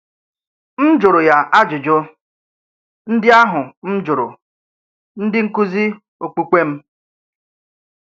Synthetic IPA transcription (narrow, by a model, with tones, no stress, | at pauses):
m̩˦d͡ʒʊ˨ɾʊ˨ja˨ʔa˦d͡ʒʊ˨d͡ʒʊ˦ | n̩˦dɪ˦a˦ɦʊ˨m̩˦d͡ʒʊ˨ɾʊ̰˨ | n̩˦dɪ˦ŋ̩˦kʊ˦zi˦ | o˨k͡pu˦kʷe˦m̩˦